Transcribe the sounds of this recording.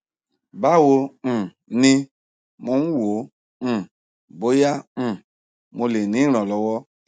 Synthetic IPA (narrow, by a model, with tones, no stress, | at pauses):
ba˦˨wõ˧˨ | nĩ˧ | mo˨˦n̩˦wõ˨˦˨ | bo˨˦jã˦˨ | mo˧le˨nĩ˨˦ɾ̃ɔ̃˨lɔ˨˦wɔ˧˦